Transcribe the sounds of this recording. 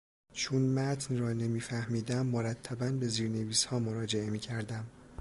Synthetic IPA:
t͡ʃʰunmæt̪ʰnrɒːne̞miːfæhmiːd̪æmːoɾæt̪ʰːæbænbe̞ziːɾne̞viːshɒːmoɾɒːd͡ʒe̞e̞miːcʰæɾd̪æm

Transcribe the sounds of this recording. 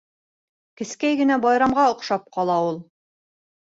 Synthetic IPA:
kɘ̆skæjɡɘ̆næbɑjɾɑmʁɑŏqʃɑp̚qɑlˠɑulˠ

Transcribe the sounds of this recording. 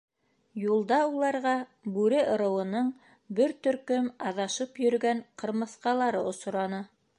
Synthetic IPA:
julˠd̪ɑulˠɑɾʁɑbʉɾɘʔŏɾɤ̆wɤ̆nɤɴ | bɘɾt̪ɵ̆ɾkɵmɑðɑʃɤpjɵ̆ɾ̆ɡæɴqɤ̆ɾmɤ̆θqɑlˠɑɾɤŏsŏɾɑnɤ

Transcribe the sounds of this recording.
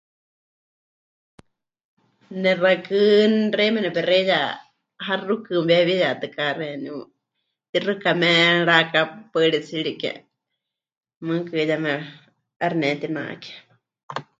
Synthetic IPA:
nɛrakɨnrɛmɛnɛpɛrɛja | ɦarukɨmbaβijat̪ɨkaɾɛni | t̪irɨkamɛɺakapəɺit͡siɺiʔkɛ̰ | mɨkɨjamɛ | aɾnɛt̪ina̰ʔkɛ̥

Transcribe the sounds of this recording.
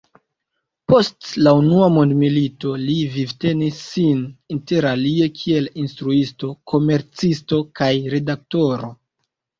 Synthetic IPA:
po̞stlaunuamondmilito̞livivte̞nisːininte̞ɾalie̞kʰie̞linstɾuisto̞kʰo̞me̞ɾt͡sisto̞kajɾe̞dak̚to̞ɾo̞

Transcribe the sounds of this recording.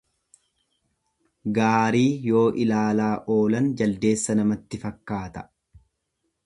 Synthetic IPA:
ɡaːɾiːjo̞ːʔɪlaːlaːʔo̞ːlɐnd͡ʒɐld̪e̞ːsːɐnɐmɐt̪ːɪfɐkːaːt̪ɐ̥

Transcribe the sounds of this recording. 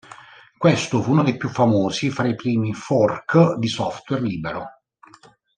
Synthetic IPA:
kwest̪ʊfunod̪ejpjufːamoːsifɾaipɾiːmifɔrkd̪isɔft̪wɛrliːbeɾo

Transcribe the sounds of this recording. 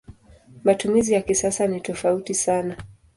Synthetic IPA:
matumizijakisasanitɔfautisana

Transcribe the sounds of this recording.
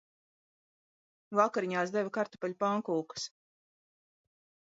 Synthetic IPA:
vakaɾiɲaːsd̪ɛvakaɾt̪ɔ̥paʎʲpaŋkuːkɨ̥s

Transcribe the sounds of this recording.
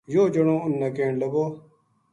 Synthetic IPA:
joːd͡ʒəɳõːʊnːaːkeːɳləɡoː

